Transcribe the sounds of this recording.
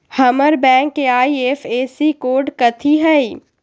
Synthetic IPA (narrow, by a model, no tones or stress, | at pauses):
hɐməɾbɛ̃ːŋkːeaːieːfeːsikoːɾɖkɐt̪ʰiɦɛi